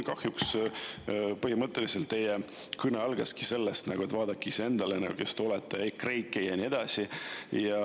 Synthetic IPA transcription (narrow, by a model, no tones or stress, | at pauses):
kɑhjuks | pɤhimɤt̪ːˑe̞liselt̪ːe̞je | kɯneɑlɡ̥ɑski̥se̞lːest̪nɑ̰ɡ̥uet̪vɑːd̪̥ɑkːˑise̞nd̪̥ɑlenɑɡṵke̞st̪olet̪ːˑekre̞jkːˑejɑnʲie̞d̪̥ɑsijɑ